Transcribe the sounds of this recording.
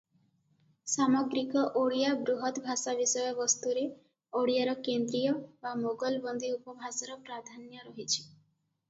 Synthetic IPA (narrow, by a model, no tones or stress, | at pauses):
samɔɡɾikɔʔoɽijabɾuɦɔt̪bʱasabisɔjɔbɔst̪uɾe | oɽijaɾɔkend̪ɾijɔbamoɡɔlbɔnd̪iupɔbʱasaɾɔpɾad̪ʱanjɔɾɔɦit͡ʃʰi̥